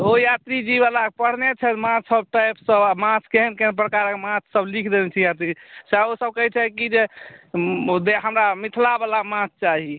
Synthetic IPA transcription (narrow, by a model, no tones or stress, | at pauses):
ojat̪ɾid͡ʒibalakepəɽ̤net͡ʃʰɛt̪mãt͡ʃʰsəb̚ʈajpsəbamãt͡ʃʰkeɦənkeɦənpɾəkaɾəkmãt͡ʃʰsəblikʰd̪enɛt͡ʃʰijat̪ɾisaosəb̚kəɦɛt͡ʃʰɛkid͡ʒe | d̪eɦəmɾamit̪ʰlabalamãt͡ʃʰt͡ʃaɦi